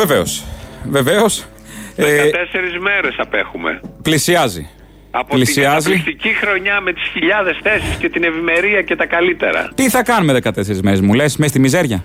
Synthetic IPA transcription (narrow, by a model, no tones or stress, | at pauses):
ve̞ve̞o̞sve̞ve̞o̞s | t̪eseɾizme̞ɾesɐpe̞xume̞̰plisiɐzḭ | ɐpoliisiɐzilist̪icixɾo̞ɲɐme̞t̪i̥sçiʎɐðesθe̞siscet̪ine̞vime̞ɾiɐcet̪ɐkɐlit̪e̞̰ɾɐ̰t̪iθɐkɐnumeðe̞kɐt̪e̞se̞ɾizme̞ɾe̞zmule̞smest̪imize̞ɾʝɐ